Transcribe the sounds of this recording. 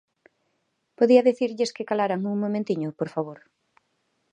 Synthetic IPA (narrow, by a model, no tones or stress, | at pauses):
poðiɐðeθiɾʎɪskɪkalaɾaŋuŋmõmẽnt̪iɲʊpoɾfaβ̞oɾ